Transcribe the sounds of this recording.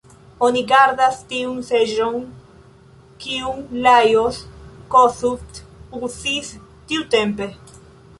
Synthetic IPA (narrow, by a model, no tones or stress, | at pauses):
oniɡaɾðast̪iuŋseʒoŋ | kiuŋlajoskosut̪uθist̪iut̪empe